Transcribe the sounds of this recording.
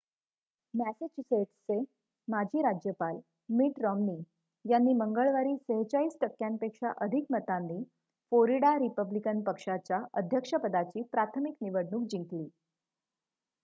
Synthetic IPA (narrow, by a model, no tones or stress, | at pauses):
mæset͡ɕuseʈt͡se | mad͡ʑʱiːɾad͡ʑjəpal | miːʈɾɔmniː | janːiːməŋɡəɭʋaɾiːsəɦət͡ɕaiːsʈəkːjampekʂaʔəd̪ʱikmət̪anːiː | floɾiɽaɾipəblikənpəkʂat͡ɕjaəd̪ʱjəkʂəpəd̪at͡ɕiːpɾat̪ʰəmikniʋəɽɳuːk̚d͡ʑiŋkliː